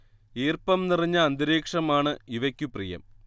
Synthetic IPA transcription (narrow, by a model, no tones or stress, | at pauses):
iːrpɐmniriɲːɐːnd̪iɾeːkʂɐmaːɳɨiʋɐkʲːuprijɐ̰m